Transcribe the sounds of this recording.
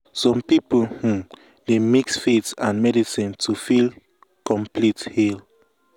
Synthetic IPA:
sɔ̃mpipulhũm | demiksfetãnmɛdisĩntʰufil | kɔ̃mplithil

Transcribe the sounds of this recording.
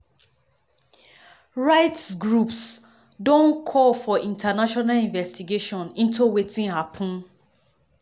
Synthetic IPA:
ɹaɪtsɡɹups | dõnkʰɔlfɔʔĩntanaʃɔnalĩɱvɛstiɡeʃɔ̃nĩntʰuwetʰĩnhapʰũn

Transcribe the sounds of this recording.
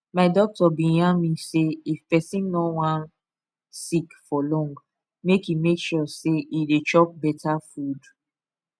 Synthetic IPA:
maɪdɔk̚tɔbĩjãmiseifpɛsĩnːɔwãn | sikfɔlɔ̃ŋɡ | mekimekʃɔseʔidet͡ʃɔp̚bɛtʰafud

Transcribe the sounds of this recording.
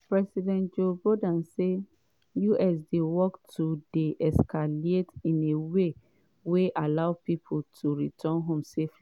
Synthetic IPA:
pɹɛsidɛ̃ntd͡ʒobodãnse | juʔɛs̬dewɔktudeʔɛskʰaletĩnewe | weʔalaʊpipʰoltʰuɹitʰɔ̃nɦɔ̃msef

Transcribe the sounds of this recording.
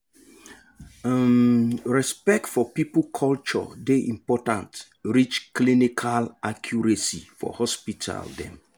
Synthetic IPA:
mɹɛspɛk̚tfɔpipkʰɔlt͡ʃɔ̰deʔĩmpɔtã̰nt | ɹit͡ʃklinikʰalakʰjuɹesḭfɔ̰hɔspitʰa̰ldɛ̰̃m

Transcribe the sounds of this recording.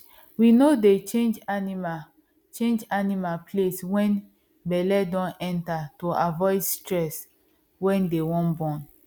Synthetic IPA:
winodet͡ʃẽnd͡ʒanima | t͡ʃẽnd͡ʒanimalpʰleswɛ̃n | bɛlɛdɔ̃nɛ̃ntatoavɔɪdstɹɛs | wɛ̃ndewɔ̃nbɔ̃n

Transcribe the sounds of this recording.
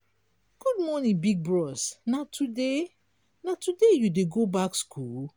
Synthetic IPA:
ɡ̥ud̚mɔnĩbiɡ̚bɹɔsnatʰude | natudejudeɡobakskʰul

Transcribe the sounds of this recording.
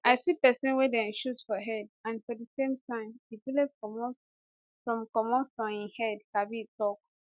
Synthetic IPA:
aɪsipɛsɔ̃nwɛdɛ̃ʃutfɔɦɛdãnfɔdəsẽmtãɪ̃mifilɛskɔmɔ | sɔ̃mkɔmɔ̃ɔ̃ĩnhɛdkabitɔk

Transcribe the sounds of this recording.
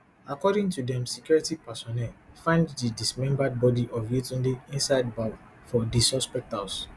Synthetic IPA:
akɔɾĩŋtudɛ̃msikɔɹɛtiɡ̚pasɔnɛlfãɪ̃nddidismɛ̃mbad̚bɔdiʔɔvjetĩndeĩnsaɪd̚bav | fɔdisɔspɛk̚tals

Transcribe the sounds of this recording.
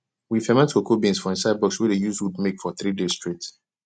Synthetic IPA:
wifɛmɛ̃ntokʰobĩnsfɔĩnsaɪd̚bɔkswɛdejuzwudmekfɔθɹidezstɹet

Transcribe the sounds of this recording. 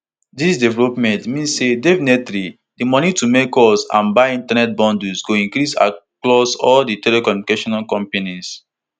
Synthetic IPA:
disdɛvɛlopmɛ̃ntmĩnssedevnɛtɾi | dimɔnitumekɔsã̰nbaɪĩntanɛt̚bɔ̃ndusɡoĩŋkɾisa̰klɔsɔlditɛlekɔmikeʃɔnalkɔ̃mpenis

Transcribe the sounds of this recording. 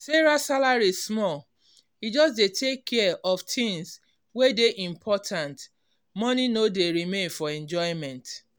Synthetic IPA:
seɹasalaɹismɔl | id͡ʒɔsdetʰekʰːɛʔɔftĩŋs | wedeʔĩmpʰɔtʰãnt | mɔninodeɹimẽnfɔɛ̃nd͡ʒɔɪmɛ̃nt

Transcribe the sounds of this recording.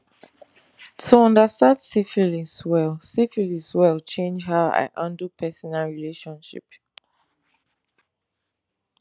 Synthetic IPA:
tʰuɔ̃ndəstãndsifiliswɛlsifiliswɛlt͡ʃẽnd͡ʒhaʊa̰ɪʔãndupʰɛsɔnalɹileʃɔ̃nʃḭp

